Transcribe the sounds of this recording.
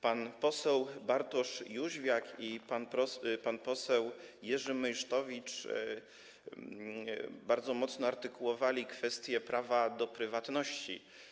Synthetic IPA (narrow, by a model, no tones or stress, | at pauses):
panpɔsɛwbaɾt̪ɔʂjuʑvʲjakʰipanpɾɔpanpɔsɛwjɛʐɘmɘjʂt̪ɔvʲit͡ʂ | baɾd̪zɔmɔt̪snɔaɾt̪ɘkuwɔvalʲikfɛst̪ʲjɛpɾavad̪ɔpɾɘvat̪nɔɕt͡ɕḭ